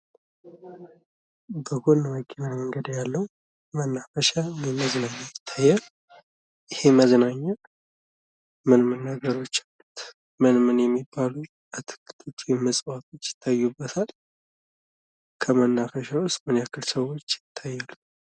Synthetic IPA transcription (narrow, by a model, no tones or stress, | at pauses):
bəɡonːəwəkʼːenɨnməŋɡəd̪jalːəw | mənːafəʃawɛməznaɲːajɪt̪ʰːajːal | jɪhe̞məznaɲːa | mɨnmɨnːəɡəɾo̞t͡ʃːalːut̪ | mɨnmɨnjɛmːibːalu | at̪ʰɨ̥kːɨ̥t̪ʰott͡ʃ̪ʰːuɛməsʼwat̪ʰo̞t͡ʃːjɪ̥t̪ʰːajːubːət̪ʰal | kʰəmənːafəʃawʊst̪mɨnjakʰːɨlsəwo̞t͡ʃːjɪt̪ʰːajːalːu